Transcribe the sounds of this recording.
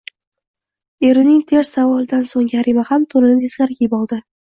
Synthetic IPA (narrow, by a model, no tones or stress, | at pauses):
e̞ɾɪnɪŋt̪ʰeɾsːavɒlˠd̪ansoŋjʲaɾimahamt̪ʰolɪnɪt̪ʰez̥ɡʲaɾɡʲajɪbɒlˠd̪ɪ